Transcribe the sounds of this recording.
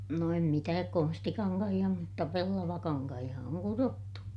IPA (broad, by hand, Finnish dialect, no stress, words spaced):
no em mitæːk konstikɑŋkɑhij̆ɑ mutːɑ pelːɑʋɑkɑŋkɑhij̆ɑ oŋ kurotːu